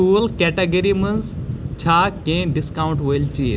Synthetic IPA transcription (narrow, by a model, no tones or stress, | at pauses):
uːlkɛʈɐɡɐɾimɐnzt͡ʃʰaːkẽːɖiskawuɳʈʋolt͡ʃiː